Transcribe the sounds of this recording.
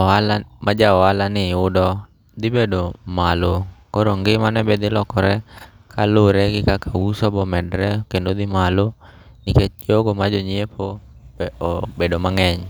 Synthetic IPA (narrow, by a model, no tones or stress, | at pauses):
ɔalamʔad͡ʒaɔalaniodɔ | d̪ibɛdɔmalokɔɾɔŋɡemanɛbɛd̪ilɔkɔɾɛ | kʰaluɾɛkikakausɔbɔmɛdɾɛkɛndɔd̪imalɔ | nikɛd͡ʒɔɡɔmad͡ʒɔɲiɛpʰɔ | bɛɔbɛdɔmaŋɛɲ